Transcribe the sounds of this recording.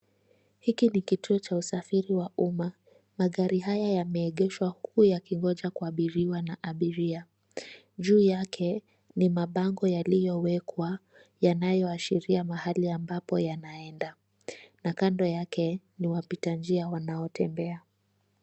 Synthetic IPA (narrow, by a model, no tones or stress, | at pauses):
hikinikitʰuɔt͡ʃausafiɾiwauma | maɠaɾiɦajajamɛːɠɛʃwahkuːjakiŋɡɔʄakuaɓiɾiwanaʔaɓiɾia | ʄuːjakʰɛ | nimaɓaŋɡɔjalijɔwɛkwa | janajɔaʃiɾiamahaliambapɔjanaɛnda | nakandɔjakʰɛ | niwapitand͡ʒiawanaɔtʰɛmbɛa